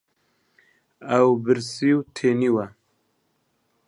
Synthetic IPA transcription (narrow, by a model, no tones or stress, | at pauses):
awbɨɾsiwt̪ʰeːniwa